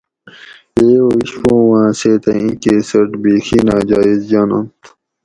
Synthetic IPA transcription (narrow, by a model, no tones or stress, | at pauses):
eːoːiɕpõːwãːseːt̪ɐ̃ĩːkeːsɐʈbiːxiːnaːd͡ʑaːizd͡ʑaːnɐ̰̃nt̪ʰ